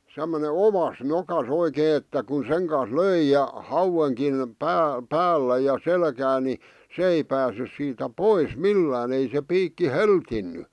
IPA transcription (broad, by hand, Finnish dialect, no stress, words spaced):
semːone oʋɑs nokɑs oikeː etːæ kun seŋ kɑns løi jɑ hɑuweŋkin pæː pæːlːæ jɑ selkæː ni sĕ ei pæːsːys siːtæ pois milːæːn ei se piːkːi heltinːy